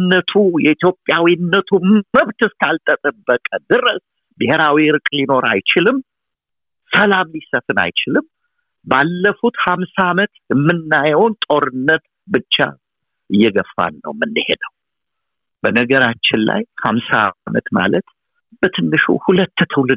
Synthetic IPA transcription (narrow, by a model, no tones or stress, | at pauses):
nːət̪ʰujɛit̪jo̞pʼjawinːət̪ʰumməβt̪ɨskalt̪ʼət̪ʼəbːəkʼəd̪ɨrəs | bɨheɾawiɾɨkʼlino̞ɾa̰jt͡ʃɪlɨm | səlamlisəfɨna̰jt͡ʃɪlɨm | balːəfut̪hamsaːmət̪jɛmːɨnːajwont̪ʼo̞ɾɨnːət̪ | bɨt͡ʃːa̰ | ʔɨjːɛɡəfːa̰nːə̰wmɨnːɨhḛd̪əw | b̥ənəɡəɾat͡ʃːɪnla̰jhamsamə̰t̪ma̰lət̪ | b̥ət̪ʰɨnːɨʃṵhulət̪ːt̪ʰɨwlɨd̪